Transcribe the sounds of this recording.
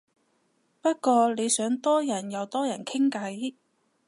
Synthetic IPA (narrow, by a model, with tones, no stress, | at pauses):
pɐ˥t̚kɔː˧le˨˧jsœː˨˥ŋt̪ɔː˥jɐ˨˩njɐ˨˧wt̪ɔː˥jɐ˨˩nkʰɪ˥ŋkɐ˨˥j